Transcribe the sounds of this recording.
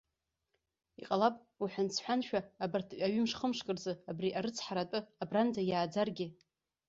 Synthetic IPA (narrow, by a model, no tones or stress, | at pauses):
iqʼalapʼ | uħʷant͡sʰħʷᶣanʃᶣaːbartʰɥʼaɥʏmʂχəmʂkʼɨrzɨabriʔaɾɨt͡sʰħaɾatʼɨabrand͡zajaːd͡zarɡʲɪ